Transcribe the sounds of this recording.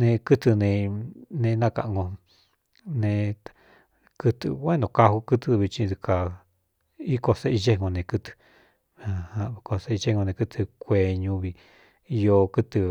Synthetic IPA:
nẽ˧kɨ˦t̪ɨ˧nẽ˧nẽ˧nã˦˧ka˧ʔŋɡõ˧ | nẽ˧ | kɨ˧t̪ɨ̰˧wẽ˦nõ˧ka˧hu˧kɨ˦t̪ɨ˧βi˧t͡ʃĩ˧ði˧ka˨ | i˦ko˧se˦ʔi˧ʒe˦ŋõ˧nẽ˧kɨ˦t̪ɨ̥˧ | a˧hã˧i˧ko˧se˧˦i˧ʒe˦˧õ˧nẽ˧kɨ˦t̪ʰɨ˧kʷe˧ɲũ˧βi˧ | i˧jo˧kɨ˦t̪ɨ˧

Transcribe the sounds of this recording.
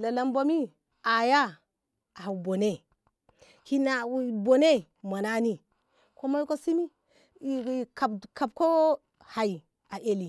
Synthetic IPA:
la˨la˨mbo˨mi˦ | a˨ja˦ | a˨bo˨ne˦ | ki˦na˨wbo˨ne˦ | ma˨na˦ni˦ | ko˦ma˦ji˦ko˦si˦mi˦ | i˨ka˨bka˨b̚ko˦ | ha˨i˨ | a˨ʔe˦li˨

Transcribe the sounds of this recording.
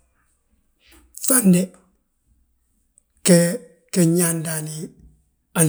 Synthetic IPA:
fa˦nde | ke | ke˨ɲanda˨ni˨ | a˨n

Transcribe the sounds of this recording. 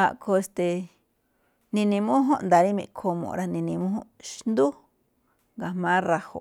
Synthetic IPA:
a̰˧ʔkʰo˧e˧st̪e˧ | nĩ˧nĩ˧mũ˦ɦõ˦nd̪a˨ɾi˦mẽ˧˨kʰo˧mõ̰˨˧ɾa˧nĩ˧nĩ˧mũ˦ɦõ˦ʃnd̪u˦ | ŋɡa˨mãː˦ɾa˧ho̰˨

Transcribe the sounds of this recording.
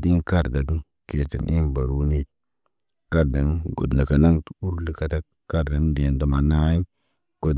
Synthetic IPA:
di˦nka˦ɾda˨ɡ | ke˨tə̰˨nʔi˦nba˨ɾu˦ni˦˨t | ka˦ɾda˨n˦ɡo̰˨dna˨ka˨na˦ŋtu˦ɾli˦ka˨ta˦k | kːa˦ɾda˨˦de˨ndo˨ma˨na˦i˦ | ɡ̥o˨d

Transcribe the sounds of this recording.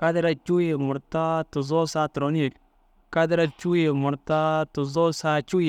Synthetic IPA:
ka˦dɪ˦ɾa˦˨t͡ʃu˦ji˨mʊ˨ɾta˦tʊ˨zɔ˦sa˦tɾo˨˦ni˦˨k | ka˦dɪ˦ɾa˦t͡ʃu˦ji˨mʊ˨ɾta˦tʊ˨zɔ˦sa˦t͡ʃu˦˨

